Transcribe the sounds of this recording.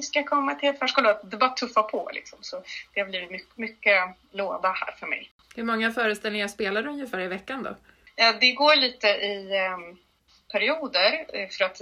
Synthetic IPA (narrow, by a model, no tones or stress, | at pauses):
skakʰɔmːat̪ʰɪlɛt̪fæːʂkuːlad̪ɛbɑːɾat̪ʰɵfːapʰɔlɪ̰ksɔmsɔd̪̥ɛhabliːvɪt̪mʏkːmʏkːə | loːd̪ahæ̰ːɾfœɾmɛ̰j | hɵɾmɔŋːafœːɾəst̪ɛlɪŋaspeːlad̪ɛɵnjəfæːɾɪvɛkːand̪ɔ̰ | jɑːd̪ɛɡoːɭiːt̪əʔɪ | pʰæɾɪuːd̪əɾfœɾat̪